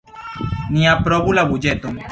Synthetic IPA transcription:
niapɾoβulaβud͡ʒet̪om

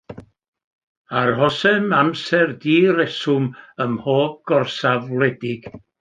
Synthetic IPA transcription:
arhɔsɛmamsɛrdiːɾɛsʊməmhoːb̚ɡ̥ɔrsavlˠɛdɪɡ̥

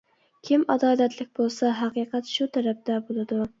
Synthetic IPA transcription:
kʲʰimɑd̪ɑːlɛt̪lɪk̚ʲbolˠsɑɦæqiːqʰæt̪ʃut̪ʰæɾɛp̚d̪ɛbolˠɨd̪u

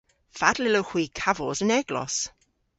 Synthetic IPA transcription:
fad̥lɪlowχwiːkʰavɔzənɛɡlɔ̰s

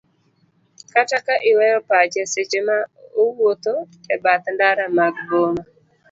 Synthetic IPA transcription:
katakaʔɪwɛɾɔpat͡ʃɛset͡ʃemauwot̪o | ɛbat̪ndaɾamaɡɡoma

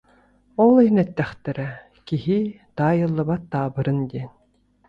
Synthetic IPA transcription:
ɔlˠinɛt̪ːæχt̪ɛɾɛ | kiɦi | t̪aːjɯlˠːabat̪ːaːbɯɾɯnd̪ʲiːn

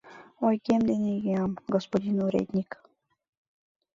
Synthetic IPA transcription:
ojkʲemd̪enʲeɡeɑmɡospod̪ʲinuɾʲḛt̪ʲnʲik

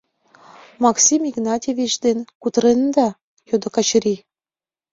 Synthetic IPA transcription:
mɑksimiɡnɑtʲevʲit͡ɕd̪enkut̪ɾend̪ɑ | jod̪okɑt͡ɕɾi

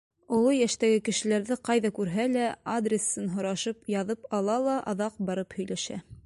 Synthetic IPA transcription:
ŏlˠojæʃt̪æɡɘkɘ̆ʃɘ̆læɾðɘqɑjðɑkʉɾɦælæad̪rʲesːɤnɦŏɾɑʃɤpjɑðɤpɑlˠɑlˠɑʔɑðɑq̚bɑɾɤphɵ̆jlæʃæ̰

